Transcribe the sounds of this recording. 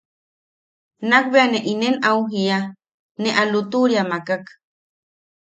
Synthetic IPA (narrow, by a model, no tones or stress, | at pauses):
nak̚beaneʔinenauɦia | neʔalut̪uɾiamakak